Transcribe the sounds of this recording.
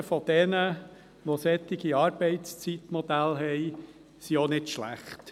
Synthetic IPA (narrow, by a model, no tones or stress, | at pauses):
fɔd̥̪ɛnə | ʋɔsɛt̪ːɪɡ̥iɑːɾb̥ɛɪtt͡st͡sit̪mɔd̪ælɦɛɪ | sionɪdʃlæ̰χt̪